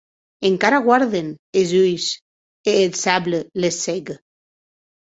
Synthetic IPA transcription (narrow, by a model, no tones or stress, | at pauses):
eŋkaɾaɣwaɾðenezujs | eːlsaβlelesːeɣe